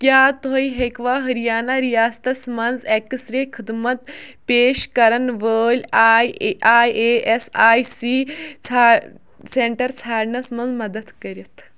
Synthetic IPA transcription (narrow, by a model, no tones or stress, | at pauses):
kjaːt̪oiɦekʋaɦɐɾijaːnaɾijaːst̪ɐsmɐnd͡zɛkəsɾekʰid̪mɐt̪̚peːʃkɐɾɐnʋəːlʲajajeʔesaːjsiːt͡sʰa | seɳʈəɾt͡sʰaːɽɳɐsmɐnd͡zmɐd̪əd̪kɐɾjɐt̪